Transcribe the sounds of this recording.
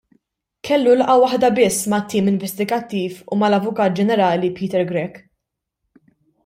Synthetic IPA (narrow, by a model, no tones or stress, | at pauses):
kʰɛlːulɐʔɐwɐħd̪ɐbɪsːmɐt̪ːiːmɪɱvɛst̪ɪɡɐt̪ːiːfumɐlɐvʊkɐːt̪̚d͡ʒɛnɛɾɐːlipiːt̪ɛɾɡɾɛk